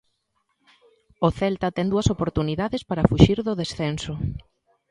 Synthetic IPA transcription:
oθɛlt̪ɐt̪ɛŋd̪uɐsopoɾt̪uniðaðespaɾɐfuʃiɾðʊðesθɛnso

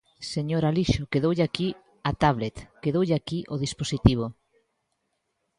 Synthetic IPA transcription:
seɲoɾaliʃokeðowʎeaki | at̪aβlet̪keðowʎeakiʔoðisposit̪iβ̞o

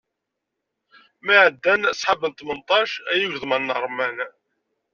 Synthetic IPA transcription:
maʕəd̪ːænsˤħabəlt̪ˤmənt̪ˤɑʃæjuʝðmənːəɾˤmæn

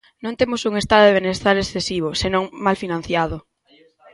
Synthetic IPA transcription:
nõnt̪emʊsuŋest̪aðoðeβenest̪aɾesθesiβ̞ʊsenõŋmalfinãn̟θjaðʊ

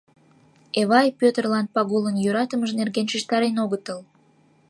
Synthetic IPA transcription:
eβɑjpøt̪ərlɑn̚pɑɣulənjøɾɑt̪əməʒnerɣenʃiʃt̪ɑɾenoɣət̪əl

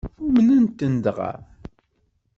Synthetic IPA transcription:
umənænt̪ːənd̪ʁa̰ɾ

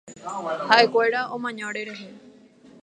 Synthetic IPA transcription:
haʔe̞kʷeɾaõmãɲãɽeɾe̞ɦe

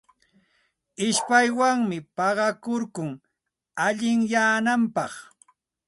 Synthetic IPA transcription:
ɪʃpajwaŋmɪpɑɢɑkoɾkʊŋ | aʎɪŋjaːnampɑχ

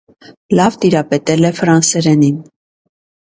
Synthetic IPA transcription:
lɑvt̪iɾɑpɛt̪ɛlɛfɾɑnsɛɾɛnin

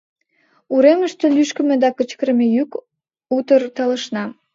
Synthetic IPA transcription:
uɾeməʃt̪ølyʃkə̆mĕd̪ɑkət͡ɕkəɾəmejyk | ut̪ərt̪ələ̆ʃnɑ

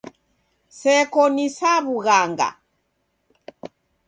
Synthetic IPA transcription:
sɛkɔnisaβuɣaŋɡa̰

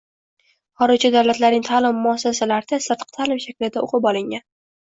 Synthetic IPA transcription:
χɒɾɪɾt͡ʃad̪awlat̪laɾnɪŋʲt̪ʰaːlɪmːʊasːasalaɾɪd̪asɨɾt̪qt̪ʰalɪmʃakʲlɪd̪ao̰qʰɨpɒlˠɪŋːʲan

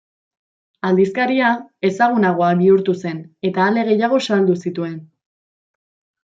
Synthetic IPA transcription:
ald̪iskaɾiae̞saɣ̞unaɣ̞o̞aβiuɾt̪use̞ne̞t̪aːle̞ɣ̞e̞jaɣ̞o̞sald̪usit̪ue̞n

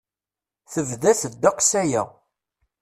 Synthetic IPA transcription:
θəvðæθəd̪ːaqsæjæ

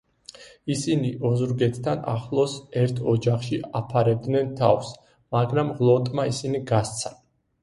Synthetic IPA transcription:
isiniʔɔzuɾɡɛt̪ʰt̪ʰːana̰χlˠɔsɛɾt̪ʰɔd͡ʒaχʃiapʰaɾɛb̚d̪nɛnt̪ʰa̰fs | maɡɾamʁlˠɔt̪ʼmaisiniɡast̪sʰa

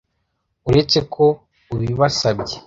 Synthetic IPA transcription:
uɾet͡se̞kʰo̞ | uβiβasabɟe

